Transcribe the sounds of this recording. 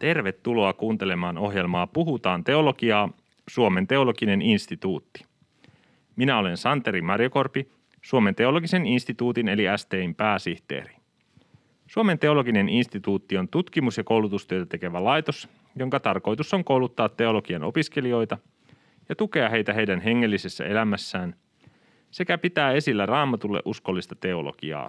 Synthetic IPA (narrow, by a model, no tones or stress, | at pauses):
t̪e̞rʋe̞t̪ːulo̞ɑkuːnt̪e̞le̞mɑːno̞ɦje̞lmɑːpuɦut̪ɑːnt̪e̞o̞lo̞ɡiɑː | suome̞nt̪e̞o̞lo̞ɡine̞ninst̪it̪uːt̪ːi̥ | minæo̞le̞nsɑnt̪eɾimɑrjo̞ko̞rpi | suome̞nt̪e̞o̞lo̞ɡise̞ninst̪it̪uːt̪ine̞liæst̪eːimpæːsiht̪ḛːɾi̥ | suome̞nt̪e̞o̞lo̞ɡine̞ninst̪it̪uːt̪ːio̞nt̪ut̪kimusjɑko̞uwlut̪ust̪yøt̪æt̪e̞ke̞ʋælɑjt̪os | jo̞ŋkɑt̪ɑrko̞jt̪uso̞ŋko̞wlut̪ːɑːt̪ːe̞o̞lo̞ɡ̥iɑno̞̰piskelio̞jt̪ɑ | jɑt̪uke̞ɑɦe̞jt̪æɦejdænɦe̞ŋːe̞lːise̞sːæ̰e̞læmæsːæːn | se̞kæpit̪æːe̞silːærɑːmɑt̪ulːḛʔusko̞lːist̪ɑt̪e̞o̞lo̰ɡ̥iɑ̰ː